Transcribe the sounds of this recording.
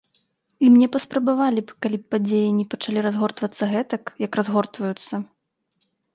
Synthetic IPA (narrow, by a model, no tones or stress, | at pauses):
imnʲɛpɐspɾɐbavalʲipkalʲip̚pad͡zʲejinʲɛpɐt͡ʂalʲiɾazɣɔrt̪vɐt̪sːɐɣɛt̪ɐkjɐkrazɣɔrt̪vɐjut̪sːɐ